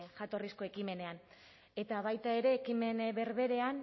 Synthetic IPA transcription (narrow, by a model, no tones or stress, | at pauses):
ʝat̪o̞risko̞e̞kime̞ne̞an | e̞t̪aβajt̪ae̞ɾe̞ːkime̞nβe̞ɾβe̞ɾe̞an